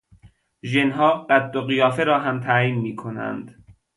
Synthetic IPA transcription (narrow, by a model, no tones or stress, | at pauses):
ʒenɦɒːɢæt̪ːoɣijɒːfeɾɒːɦæmt̪ʰæjiːnmiːkʰonæ̰nd̪̥